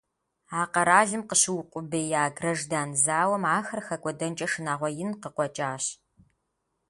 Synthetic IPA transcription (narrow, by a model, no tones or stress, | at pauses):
aːqɐɾaːɮɨmqəɕɪwʊqʷʼʊbejaːɡrɐʒdaːnzaːwɐmaːxɐrxɐkʷʼɔdɐnt͡ʃʼɐʂɨnaːʁʷɔjɪnqəqʷɔt͡ʃʼaːɕ